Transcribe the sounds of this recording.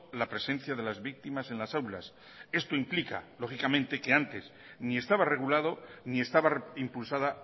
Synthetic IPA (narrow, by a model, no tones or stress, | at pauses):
lapɾe̞se̞n̟θjaðe̞lazβik̚t̪imase̞nlasawla̰s | e̞st̪o̞implika̰lo̞xikamẽ̞nt̪e̞ke̞ant̪e̞s | nie̞st̪aβare̞ɣ̞ulað̞o̞nie̞st̪aβaimpulsaða